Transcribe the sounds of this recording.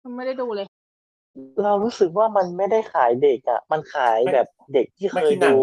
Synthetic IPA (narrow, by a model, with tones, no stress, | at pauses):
m˧nma˥˩jda˥˩jduː˧lɤː˧j | ɾa˧wɾuː˦˥sɯ˨˩k̚waː˥˩ma˧nma˥˩jda˥˩jxʰaː˩˦jde˨˩k̚ʔa̰˨˩ma˧nkʰaː˩˦jbɛː˨˩p̚de˨˩k̚t̪ʰiː˥˩xʰɤː˧jduː˧